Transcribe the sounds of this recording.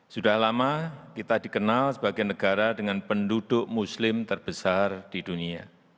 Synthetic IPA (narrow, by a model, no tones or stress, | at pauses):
sudahlamakit̪adikənalsəbaɡinːəɡ̥aɾadəŋanpəndud̥ʊʔmuslɪmt̪ərb̥əsard̥idunia